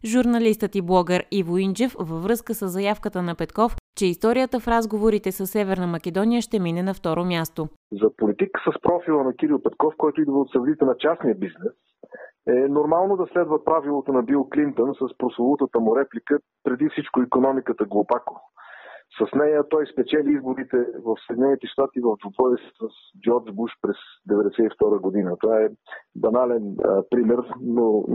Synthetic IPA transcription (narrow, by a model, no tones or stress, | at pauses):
ʒuɾnɐlist̪ət̪iblˠɔɡəɾivoint͡ʃɛfvəvɾɤskəsəzːɐjafkət̪ənɐpɛt̪kɔft͡ʃɛist̪ɔɾijət̪əfɾazɡovoɾit̪ɛsəsːɛvɛɾnəmɐkʲɛd̪ɔnijəʃt̪ɛminɛnɐft̪ɔɾomʲjast̪ozɐpolit̪iksəspɾɔfilˠənɐkiɾilˠpɛt̪kɔfkɔjt̪ʊid̪vəot̪sɐvd̪it̪ɛnɐt͡ʃasnijəbiznɛs | ɛnoɾmalˠnod̪ɐslɛd̪vəpɾavilˠot̪onɐbilˠklint̪onsəspɾoslˠolˠut̪ət̪əmʊɾɛplikə | pɾɛd̪ifsit͡ʃkʊikonɔmikət̪əɡlˠopako | sɐsnɛjət̪ɔjspɛt͡ʃɛliizboɾit̪ɛvəfsɛd̪inɛnit̪ɛʃt̪at̪ivəvd̪ʊb̪ɾɔvəsisəs | d͡ʒɔɾd͡ʒbuʃpɾɛsd̪ɛvɛd̪ɛsɛift̪ɔɾəɡod̪inət̪ovaɛbɐnalɛnə̰pɾimɛɾno